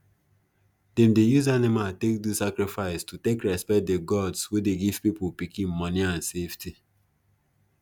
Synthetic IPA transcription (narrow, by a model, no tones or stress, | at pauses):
dɛmdejuzanimatek̚disakɾifaɪstutekɹɛspɛt̚deɡɔdswedeɡiv̥pipʊpikĩnmɔniãnsefti